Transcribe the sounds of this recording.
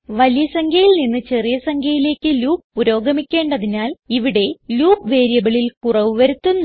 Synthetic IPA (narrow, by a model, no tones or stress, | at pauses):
ʋɐlijɐsɐŋɡʰʱɐjilninːɨt͡ɕe̞rijɐsɐŋɡʱʰɐjile̞ːkʲːɨluːpːuɾo̞ːɡɐmikʲːe̞ːɳɖɐðinaːliʋiɽe̞luːpʋe̞ːɾjɐbɐɭilkurɐʋɨʋɐɾut̪ːunː